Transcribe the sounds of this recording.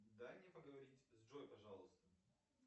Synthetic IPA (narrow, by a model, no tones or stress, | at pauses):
d̪anʲepəɡəvɐɾʲitʲzʐojpɐʐɑlˠʊst̪ə